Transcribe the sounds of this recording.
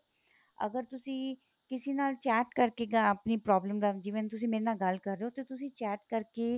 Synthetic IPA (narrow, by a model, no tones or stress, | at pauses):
ə̰ɡəɾt̪ʊsĩː | kɪsiːnaːlt͡ʃɛːʈkəɾkeːɡaəpniːpɾɔːbləmd̪aːd͡ʒiʋənt̪ʊs̬ĩːmeːɾenaːɡəlkəɾːeːoːt̪eːt̪ʊsĩːt͡ʃɛːʈkəɾkeː